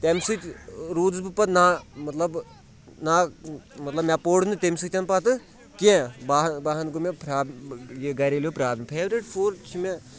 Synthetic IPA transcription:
t̪emsɨt͡ʃʲɾuːd͡zbɨpɐt̪namɐt̪lɐb | namɐt̪lɐbmʲapoːɽnɨt̪emʲsɨkʲt̪ʲɐnpɐt̪ɨ | kẽbaːɦbaːɦɐnɡumepɾaːbjeɡɐɾeljoːpɾaːbʲmpʰeːʋɾiʈfʰoːɾt͡ʃʰime

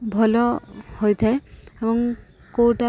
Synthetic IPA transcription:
bʱɔlɔhojt̪ʰɛebɔŋ | koʈa

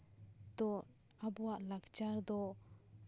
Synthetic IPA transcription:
d̪ɔn | abɔwaʔlakt͡ʃaɾd̪ɔ

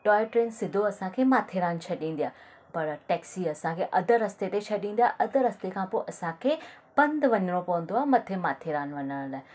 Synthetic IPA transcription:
ʈɔːɪʈɾeːnsɪd̪ʱoɐsãkʰeːmaːt̪ʰeɾaːnt͡ʃʰɐɗĩːnd̪ijaː | pɐɾʈɛːksiɐsãkʰeːʔɐd̪ʱəɾɐst̪et̪ʰet͡ɕʰɐɗĩːn̆d̪jaːʔɐd̪ʱə̆ɾɐst̪ekʰãpoːʔɐsãkʰeː | b̥ɐ̃nd̪ʋɐɲəɽ̃opɐʋə̃nd̪oaːɦemɐt̪ʰemaːt̪ʰeɾaːnʋɐɲəɽ̃laːɪ

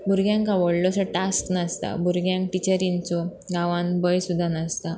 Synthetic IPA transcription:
bʱuɾɡjãŋkaʋɔɽlɔsəʈasknast̪a̰bʱuɾɡjãŋkʈit͡ɕəɾint͡sɔ | ɡãʋãnbəjsud̪ʱːanast̪a

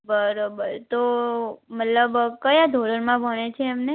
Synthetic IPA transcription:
bəɾobəɾt̪omət̪ləbkəjad̪ʱoɾəɾmãbʱəɳ̃et͡ʃʰeːmne

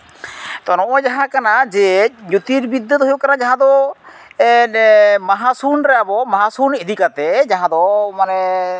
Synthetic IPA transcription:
t̪ɔnɔ̃ʔɔd͡ʒaɦãkanad͡ʒɛɲut̪iɾbid̪ːət̪ɦujuʔkaɾad͡ʒaɦãd̪ɔ | ɛnmaɦasunɾɛjabɔmaɦasunid̪ikat̪ɛd͡ʒaɦãd̪ɔmanɛ

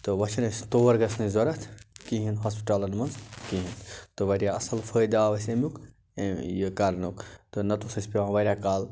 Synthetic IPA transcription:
t̪ɨʋɐt͡ʃʰɐnɐsʲt̪oːʋɐɾɡɐsnizɐɾɐt̪ʰkiɦinɦaːspi̥ʈaːlɐnmɐnzkiɦint̪ɨʋɐɾʲjaɐsɐlfəːjd̪aːʋɐsʲemjuk | jəkaɾɐnukt̪ɨnɐt̪usɐsʲpʲiʋãːʋɐɾʲjaːkaːl

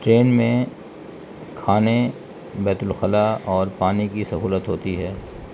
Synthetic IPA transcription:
ʈɾeːnmẽ | kʰaːne | bɛːt̪ʊlxəlaɔːɾpaːnikisɐɦuːlət̪ɦoːt̪iɦɛː

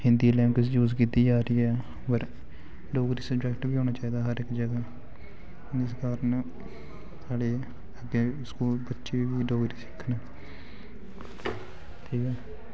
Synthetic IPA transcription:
hɪ̃nd̪iːlɛːmkɪsd͡ʒuːzkiːt̪iːd͡ʒaːɾəiːɛː | pəɾ | ɖoːɡɾiːsəbd͡ʒɛːkʈbiːɦoːnaːt͡ʃaːiːd̪aːɦəɾɪkd͡ʒəɡaː | ɪsɡaːɾən | saːɖeː | əɡeːskuːlbətːʃeʋiːɖoːɡɾiːsɪ̥kʰːnɛː | t̪ʰiːkɛː

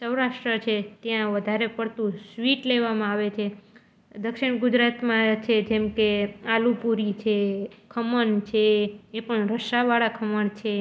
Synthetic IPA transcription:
səwɾaʃʈɾət͡ʃʰet̪jãʋəd̪ʱaɾepəɽt̪ũsʋiʈleʋamãaʋet͡ʃʰe | d̪əkʃiɽ̃ɡud͡ʒɾat̪mãt͡ʃʰed͡ʒemkealupuɾit͡ʃʰekʰəməɳt͡ʃʰeːpəɳɾəʃaʋaɭakʰəməɳt͡ʃʰe

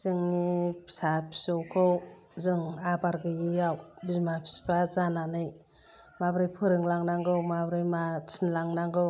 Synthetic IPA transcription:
z̥ɯŋnisapʰi̥sɯwkʰɯw | zɯŋabaɾɡɯjijawbizmapʰi̥sbazananɯj | mabɾɯjpʰɯɾɯŋlaŋnaŋɡɯwmabɾɯjmat͡ʃʰinlaŋnaŋɡɯw

